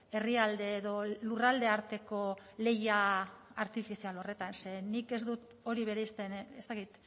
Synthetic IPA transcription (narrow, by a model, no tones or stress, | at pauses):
e̞riald̪e̞ːðo̞lurald̪e̞aɾt̪e̞ko̞le̞jaaɾt̪ifisialo̞re̞t̪anse̞nike̞zd̪ut̪ | o̞ɾiβe̞ɾeist̪e̞nest̪akit̪